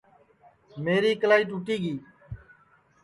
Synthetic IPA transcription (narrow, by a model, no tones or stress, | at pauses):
meːɾiːkəlaːiːʈuːʈiːɡiː